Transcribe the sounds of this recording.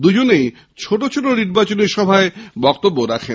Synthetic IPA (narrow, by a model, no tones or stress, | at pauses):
d̪ud͡ʑonej | t͡ɕʰoʈot͡ɕʰoʈoniɾbat͡ɕoneɾʃɔbʱaebɔkt̪obːoɾakʰen